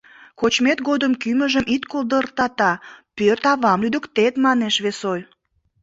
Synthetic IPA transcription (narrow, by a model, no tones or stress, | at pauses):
kot͡ɕmet̪ɡod̪əmkyməʒəmʔit̪kold̪ərt̪ɑt̪ɑpørt̪ɑβɑmlyd̪əkt̪et̪mɑneʃβesoj